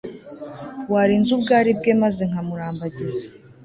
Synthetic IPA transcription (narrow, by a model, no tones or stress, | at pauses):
waɾinzubɡaːɾib̚ɡe̞maze̞ŋ̥amuɾaːmbaɟezḁ